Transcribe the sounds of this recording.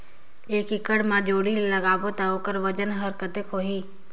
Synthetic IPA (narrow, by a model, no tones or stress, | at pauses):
eːkɪkəɽmãd͡ʒoːɽiləɡaːbot̪aoːkəɾʋəd͡ʒənɦəɾkət̪ekʰoːɦiː